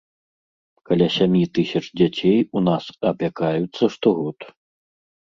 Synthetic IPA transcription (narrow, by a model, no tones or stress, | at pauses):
kalʲasʲamʲjit̪ɨsʲɐt͡ʂd͡zʲat͡sʲejunasɐpʲakajut̪sːɐʂt̪ɔɣɔt̪